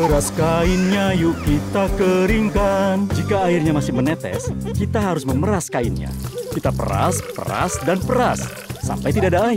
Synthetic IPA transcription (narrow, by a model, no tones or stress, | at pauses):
pəɾaskaɪnɲajuʔkit̪akəɾiŋkand͡ʒikaːɪrɲamasɪhmənɛt̪ɛ̰skit̪aɦaɾʊsməməɾaskaɪnɲa̰kit̪apə̰ɾa̰spə̰ɾa̰sdanpəɾasː | a̰mpajt̪idadaaɪr